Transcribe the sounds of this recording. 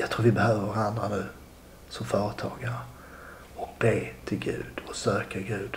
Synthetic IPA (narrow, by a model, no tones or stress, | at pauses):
jɑɡt̪ʰɾuːɾvɪbɛhøːvəɾvaɾand̪ɾanʉ̟ː | sɔmfœːɾət̪ʰɑːɡaɾə | ɔk̚b̥eːt̪ʰɪlɡʉ̟̰ːd̪̥ɔsøːkəɡʉ̟ːd̪